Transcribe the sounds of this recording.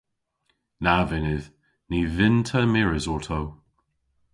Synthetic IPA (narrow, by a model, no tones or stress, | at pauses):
navɪnɪð | nivɪntʰəmɪɹɪzɔtʰow